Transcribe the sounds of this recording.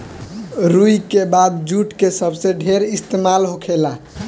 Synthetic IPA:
ɾujkebad̪̚d͡ʒuʈkesəbsẽɖʱeɾist̪emalɦokʰela

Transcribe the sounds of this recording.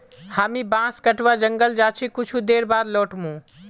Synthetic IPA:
haːmĩbãːskəʈʋaːd͡ʒəŋɡəld͡ʒaːt͡ʃʰikʊt͡ʃʰud̪eːɾbaːɾloːʈmũː

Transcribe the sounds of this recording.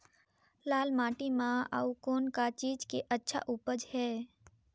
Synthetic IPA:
laːlmaːʈimãa̰ukoːnkat͡ʃiːd͡ʒkeʔətːʃʰa̰ʔuːpəd͡ʒhɛː

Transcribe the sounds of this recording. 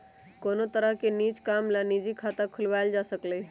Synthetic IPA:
koːnot̪əɾəɦkenit͡ʃkamlanid͡ʒikʰat̪akʰʊlʋajld͡ʒasəklə

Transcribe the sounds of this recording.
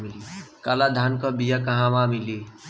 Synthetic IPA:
milikalad̪ʱankəbijakəɦãmamili

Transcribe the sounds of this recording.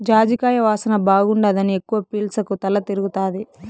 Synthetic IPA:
d͡ʒaːd͡ʒ̪ikaːjɐʋaːsɐnɐbaːɡuɳɖad̪ɐniekːuʋɐpiːlsɐkut̪ɐlːɐt̪iɾuɡut̪aːd̪i

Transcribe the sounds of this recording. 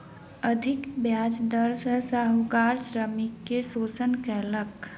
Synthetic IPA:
əd̪ʱɪkbjaːd͡ʒd̪əɾsəsaɦukaːɾsɾəmikːesoːsənkɛːlək

